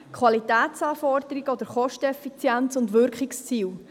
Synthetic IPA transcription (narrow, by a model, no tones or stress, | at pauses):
kʰʋɑlitæːt̪t͡sɑːfɔrd̪əɾiɡɔd̪əɾχɔʃtəɛfit͡sjænt͡sʊndʋʏɾkχikst͡siːw